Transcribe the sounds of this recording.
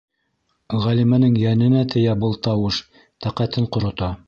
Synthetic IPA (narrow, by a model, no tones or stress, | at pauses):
ʁælimænɘŋjænɘ̆næt̪ʰɘ̆jæbɤlˠt̪ɑwɤʃ | t̪æqæt̪ɘɴqŏɾŏt̪ɑ